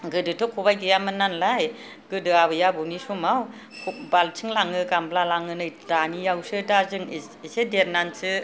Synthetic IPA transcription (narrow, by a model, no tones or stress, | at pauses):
ɡɯdɯtʰɯkʰubajdɯjamɯnːanlaj | ɡ̥ɯdɯaβɯjabɔnisumaw | kʰbalt͡ʃʰɯŋlaŋɯkamblalaŋɯnɯjdanijawsɯdazɯŋ | esedeɾnansɯ